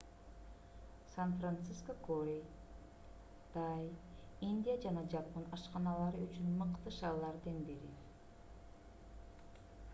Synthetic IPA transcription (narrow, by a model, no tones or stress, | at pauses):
sanfrant̪siskokoɾʲej | d̪̥aj | inʲd̪ʲijad͡ʒɑnɑd͡ʒɑpːənɑʃqɑnɑlˠɑɾɯyt͡ʃynmɯqt̪ɯʃɑːlˠɑɾd̪ɑnbiɾi